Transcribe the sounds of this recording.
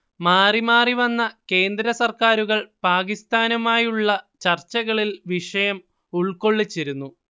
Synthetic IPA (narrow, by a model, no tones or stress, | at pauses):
maːrimaːriʋɐnːɐke̞ːnd̪ɾɐsɐrkaːɾuɣɐɭpaːkist̪ʰaːnɐmaːjuɭːɐt͡ɕɐrt͡ɕːɐɣɐɭilʋiʂɐjɐm | uɭko̞ɭːit͡ɕːiɾunːu